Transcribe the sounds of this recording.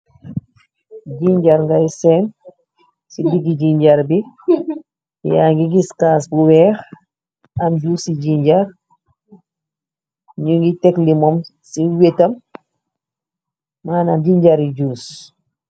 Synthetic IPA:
ɟiɲɟaɾŋɡaisɛn | sibiɡiɟiɲɟaɾbi | jaŋɡiɡiskaːsbuwɛːx | amd͡ʒuːsiɟiɲɟaɾ | ɲuŋɡitɛklimɔmsiwetɐm | maːnamɟiɲɟaɾiɟuːs

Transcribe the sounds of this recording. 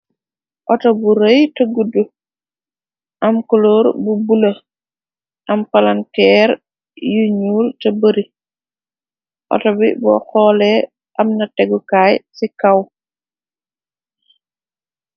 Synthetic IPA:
ʔɔtɔbuɾəjtɐɡudu | ʔamkuloːɾbubula | ʔɐmpalankɛːɾ | juɲuːltɐbəɾi | ʔɔ̰tɔbibɔxɔːlɛ | ʔamnɐtɛɡukaːjsikaw

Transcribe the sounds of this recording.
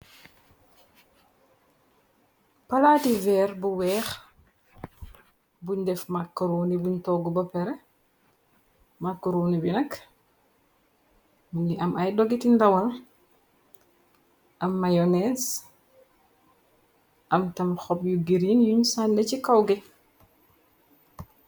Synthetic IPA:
pɐlaːtivɛɾbuwɛːx | buɲdɛfmakːɾunibuɲtɔɡubɐpɛɾɛ | makːuɾuːnibinɐk | muniʔɐmajdoɡitindawɐl | ʔɐmːajones | ʔɐmtɐmxɔpjuɡiɾinjuɲsandecikawɡe

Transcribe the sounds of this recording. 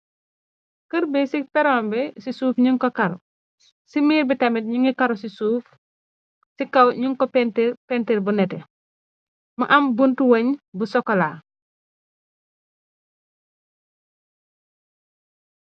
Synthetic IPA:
kəɾbɛsipɛɾɔːmbɛsisuːfɲiŋkɔkaɾɔ | simiːɾbitɐmit̚ɲuŋikaɾɔsisuːf | sikɐwɲuŋkɔpɛntipɛntiɾbunɛtɛ | mɐʔɐmbuntuwɐɲbusɔkːɔlaː

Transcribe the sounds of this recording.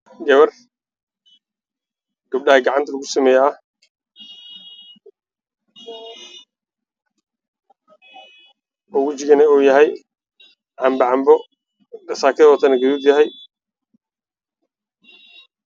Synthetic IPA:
ɡɐβɐr | ɡ̥ɐb̚ɖɐhɐɡɑʕɑnt̪ʰɐlɐɣʊsɐmɛːjː | ɔɣʊt͡ʃɪɣɐnɛɔːjɐɦɛj | ʕɑmbɐʕɑmbɔ | dɐsaːkʰɪðɔːt̪ʰɐnɐɡɐðuːd̪jɐɦɛj

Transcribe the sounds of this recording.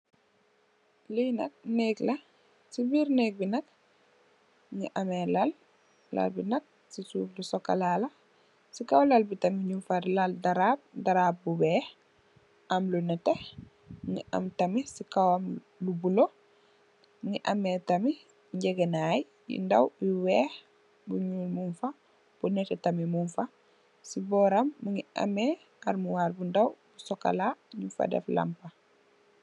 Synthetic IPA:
lijnɐ̰k̚nɛːklɐ | sibiːɾnɛːk̚binɐk̚ | ŋiʔɐmɛlɐl | lɐ̰lbinɐk̚ | sisuːflusɔkːɐ̰lalɐ | sikɐwlalbitɐmiɲufaɾlaldɐɾaːb̚dɐɾaːb̚bubɛːh | ɐmlunɛtɛ | ŋḭʔa̰mtɐmisikawam | lubulo | muŋiʔametɐmi | ɲɟɛɡenaj | jḭndawjiwɛːh | buɲuːlmunfɐ | b̥unɛtɛtɐmimunfɐ | sibɔːɾɐmːuŋia̰me | aɾmuwaːɾbundawbusɔka̰laɲufa̰dɛ̰fla̰mpɐ

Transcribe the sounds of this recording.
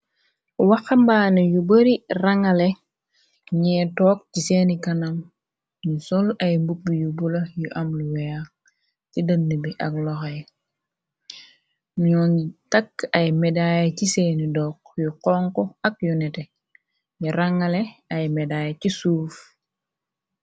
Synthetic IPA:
wɐxɐmbaːnɐjubəɾiraŋɐle | ɲɛːtɔːk̚ciseːnikɐnɐm | ɲusɔlɐjmbuk̚bijubulɐjuʔɐmluwɛja | cidɐnːəbiʔɐklɔxaj | ɲɔːnitɐkːɐjmɛdaːjɐciseːnidɔːk̚juqɔːŋkoɐk̚junɛte | ɲiɾaŋɐleɐjmɛdaːjɐcisuːf

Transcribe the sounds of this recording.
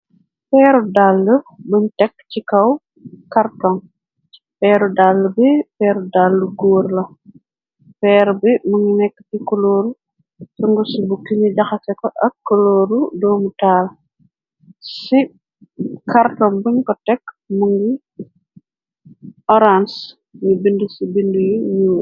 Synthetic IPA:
pɛːɾudalːəbuɲtɛkːcikɐw | kartɔŋ | fɛːɾudalːəbipɛːɾudalːuɡoːɾlɐ | fɛːɾbimuŋɡinɛkːə̥tikɔloːɾu | suŋɡusibukːiɲiɟɐxɐfɛkɔʔɐkːɔloːɾudɔːmutaːl | si | kaɾtɔŋbuɲkɔtɛkː | muŋɡi | ɔɾans | ɲibindusibindujuɲu

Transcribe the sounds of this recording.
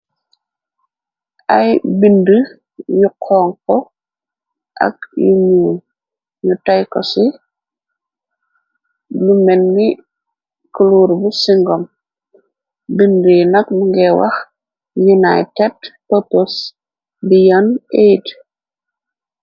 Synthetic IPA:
ʔɐjbində | juqʰɔːŋkɔ | ʔɐ̰k̚jṵɲuːn | ɲutajkɔ̰si | lumɛnːi | kuluːɾbusiŋɡɔm | bindəjinɐk̚luŋɡɛwɐ̰x | junajtɛdpopos | bijɔnejd

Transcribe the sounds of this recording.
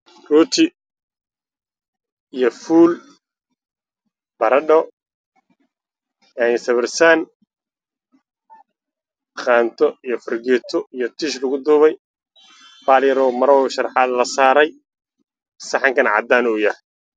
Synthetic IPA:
ruːt̪ʰɪ | ijɞfuːl | bɐɾɐɖɔ | ɛsɐβɪrsaːn | χaːnt̪ʰɔijɞfɐrɡɛːt̪ʰɔijɔt̪ʰiʃlɐɣʊd̪uːβɛj | baːljɐɾɔːmɐɾɔʃɐrħɑlɐsaːɾɛj | sɑħɑŋkɐnʕɑ̰d̪aːnɔːjɐh

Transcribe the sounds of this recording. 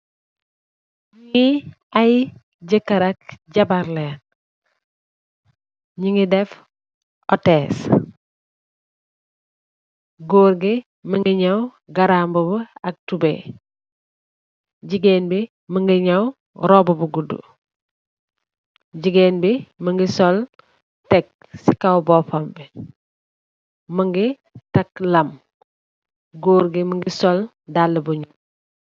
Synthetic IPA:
ɲiŋi | aj | ɟəkːɐɾak̚ɟabaɾlen | ɲiŋidɛf | ɔtɛːs | ɡoːɾɡe | məŋɡiɲaw | ɡaɾambobəɐk̚tubḛ | ɟiɡɛːnbi | məŋɡiɲɐw | ɾɔbəbəɡudṵ | ɟiɡɛːnbiməŋɡisɔl | tɛk̚ | sikɐwbɔfɐmbɛ | mɐŋɡi | tɐklɐm | ɡoːɾɡiməŋɡisɔl | dalːəbuɲum

